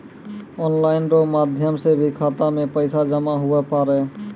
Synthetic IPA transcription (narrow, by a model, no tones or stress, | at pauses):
ɔnlaɪnɾomad̪ʱjəmsebʱikʰat̪amẽpəɪsad͡ʒəmaɦʊepaɾe